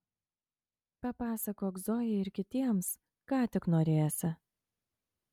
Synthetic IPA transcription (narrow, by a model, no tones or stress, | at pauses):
pɐpɑːsɐkoːɡzoːjɛɪɾkʲɪt̪ʲiɛms | kɑːt̪ʲɪknoːɾʲeːjɛsʲɪ